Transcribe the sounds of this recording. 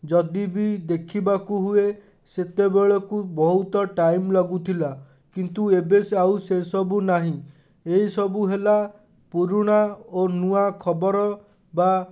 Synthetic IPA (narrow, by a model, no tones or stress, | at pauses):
d͡ʒɔd̪ibid̪ekʰibakuɦue | set̪ebeɭɔkubɔɦut̪ɔʈajmlɔɡut̪ʰila | kint̪uebesawsesɔbunaɦĩ | eɦisɔbuɦela | puɾuɽ̃aonuakʰɔbɔɾɔ | ba